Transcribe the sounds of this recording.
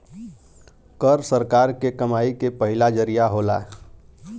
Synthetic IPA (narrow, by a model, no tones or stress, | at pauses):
kəɾsəɾkaɾkekəmaikepəɦilad͡ʒəɾijaɦola̰